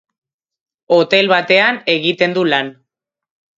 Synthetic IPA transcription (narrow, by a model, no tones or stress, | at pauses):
o̞t̪e̞lβat̪e̞ane̞ɣit̪e̞nd̪ulan